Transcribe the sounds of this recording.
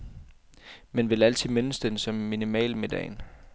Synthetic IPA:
menʋe̝læl̰t͡sʰið̩̰ˠmenəsd̥ensɒ̽mːinimɛ̰ːlme̝d̥ɛ̰ɪn

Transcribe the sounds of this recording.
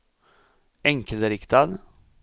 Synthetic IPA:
ɛŋkəlɾɪkt̪ʰad̪

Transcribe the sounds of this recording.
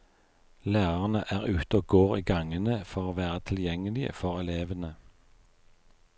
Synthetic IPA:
læːʁəʁnəʔæːʁʉːt̪əoːɡoːʁiːɡɑŋənəfɔʁoːʋæːʁət̪ʰɪljɛŋəlɪə̰fɔʁɛleːʋənə

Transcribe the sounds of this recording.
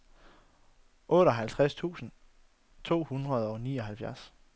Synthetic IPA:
ʔɔ̽ːɾɒ̽ɦælt͡sʰʁast͡sʰṵːsn̩ | t͡sʰo̝̰ːhunʁɐð̞ˠɒniːɒ̽ɦælfjæɐs

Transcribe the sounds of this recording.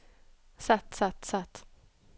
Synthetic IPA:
sat̪sat̪sat̪

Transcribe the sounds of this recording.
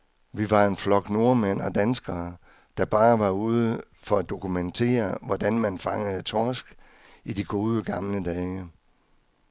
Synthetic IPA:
ʋiʋɑ̈e̝nflɒ̽ɡ̥no̝ɐmen̰ɒ̽d̥ænsɡ̥ɐː | d̥ɑ̈b̥ɑ̈ːʋɑ̈uːð̞ˠə | fɒ̽æd̥o̝kument͡sʰe̝̰ːɐʋɒd̥ænmænfɑ̈ŋəð̩ˠt͡sʰɒːsɡ̥ | idiɡ̥o̝ːð̞ˠəɡ̥ɑ̈mləd̥ɛːɪ

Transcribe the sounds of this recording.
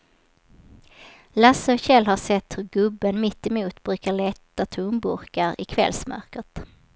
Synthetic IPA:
lasəɔɕɛlɦaʂɛt̪ːhɵɾɡɵbːənmɪt̪ːɛmuːt̪bɾʉ̟ːkaɭɛt̪ːat̪ʰʊmbɵɾkaɾɪkʰvɛ̰lsmœ̰ɾkət̪

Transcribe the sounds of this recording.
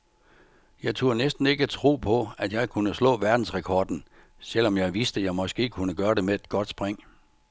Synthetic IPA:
jɑ̈ɪt͡sʰo̝ɐnesd̥n̩e̝ɡ̥əæt͡sʰʁo̝̰ːpʰɒ̽ædjɑ̈ɪkʰunəslɔ̰̽ːʋæɐd̥n̩sʁɛkʰɒːd̥n̩ | sel̰ɒ̽mjɑ̈ɪʋisd̥əjɑ̈ɪmɒ̽sɡ̥e̝̰ːkʰunəɡ̥ɶːɐɾe̝meed̥̚ɡ̥ɒ̽d̥sb̥ʁeŋ̰

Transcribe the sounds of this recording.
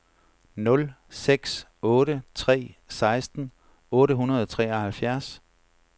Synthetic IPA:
nɔ̽l | seɡ̥s | ɔːɾət͡sʰʁɛ̰ːsɑ̈ɪsd̥n̩ | ɔ̽ːɾəɦunɐð̞ˠɒt͡sʰʁɛ̰ːɐhælfjæɐ̰s

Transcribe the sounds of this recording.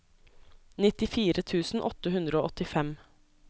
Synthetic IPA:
nɪt̪ɪfiːɾət̪ʰʉːsn̩ʔɔt̪əhʉnd̪ɾəoːʔɔt̪ɪfɛm

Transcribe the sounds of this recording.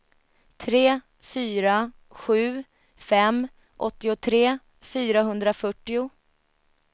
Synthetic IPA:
t̪ʰɾeː | fyːɾa | ɧʉ̟ː | fɛmː | ʔɔt̪ːɪʊt̪ʰɾeː | fyːɾaɦɵnd̪ɾafœʈːɪʊ

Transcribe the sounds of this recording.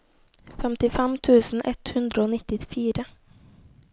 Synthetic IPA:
fɛmt̪ɪfɛmt̪ʰʉːsn̩ʔɛ̰t̪hʉnd̪ɾəoːnɪt̪ɪfiːɾə

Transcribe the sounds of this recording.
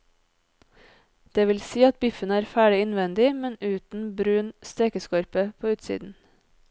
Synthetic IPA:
d̪̥eːʋɪlsiːɑt̪̚bɪfənəæːɾfæːɖɪɪnʋɛnd̪ɪmɛnʉːt̪n̩bɾʉːnst̪eːkəskɔɾpəpʰoːʉːt̪sḭːd̪n̩

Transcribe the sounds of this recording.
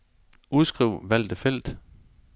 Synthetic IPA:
ʔuðˠsɡ̥ʁiʊ̰ʋæl̰d̥əfel̰d̥

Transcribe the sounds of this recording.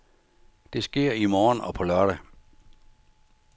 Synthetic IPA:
d̥e̝sɡ̥e̝ɐ̰imɒːnɒ̽pʰɒ̽lɶɐɾ̥æ

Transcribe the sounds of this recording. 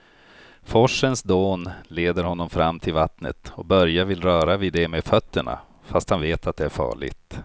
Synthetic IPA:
fɔʂːənsd̪oːnleːd̪əɾɦɔnːɔmfɾamːt̪ʰɪlvat̪nə̰t̪ɔbœɾjavɪlɾœːɾavɪd̪ɛmeːd̪fœt̪ːəɳa̰ | fast̪hanveːt̪ʰat̪̚d̪ɛæɾfɑ̰ːɭɪ̰ɡt̪

